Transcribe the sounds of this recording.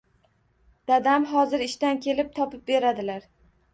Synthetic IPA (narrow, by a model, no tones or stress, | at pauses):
d̪̥ad̪amɦɒzɪɾɪʃt̪ankʲʰe̞lɪp̚t̪ʰɒpɪp̚be̞ɾad̪ɪlaɾ